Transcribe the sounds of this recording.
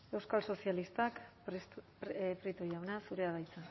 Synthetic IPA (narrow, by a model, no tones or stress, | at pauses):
e̞wskalso̞sialist̪ak | pɾit̪ojawnasuɾeaðajt͡sa